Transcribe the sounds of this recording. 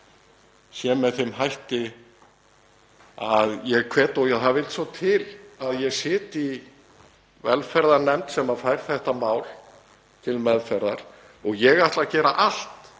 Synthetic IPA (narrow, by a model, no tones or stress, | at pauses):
sjɛːmɛðθejmɦajht̪ɪ | aðjɛɣkʰvɛːt̪ɔjaðθavɪlt̪sɔt̪ʰɪlaðjɛɣsɪːt̪i | vɛ̰lfɛɾðaɾnɛmt̪sɛmaðfajɾ̥θɛht̪amaːwl | t̪ʰɪlmɛðfɛɾðaɾ̥ | ɔɣjɛɣaht̪lacɛːɾa̰ʔal̥t̪